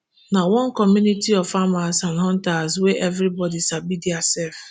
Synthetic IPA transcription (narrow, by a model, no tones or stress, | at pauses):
nawɔ̃nkɔmjunitiɔvfamasãnɦɔ̃ntasweʔevɾibɔdisabidiasɛf